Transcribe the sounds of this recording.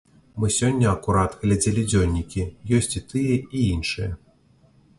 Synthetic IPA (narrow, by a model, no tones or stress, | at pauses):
mɨsʲɔnʲːɐɐkuɾat̪ɣlʲad͡zʲelʲid͡zʲɔlʲnʲikʲijɔsʲt͡sʲit̪ɨjɛiinʂɨjɐ